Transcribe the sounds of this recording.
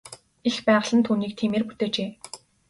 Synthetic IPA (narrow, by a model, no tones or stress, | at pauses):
expæːʁə̆ɮə̆nt̪ʰuːniːk̚t̪ʰiːmeːrput̪eːt͡ɕeː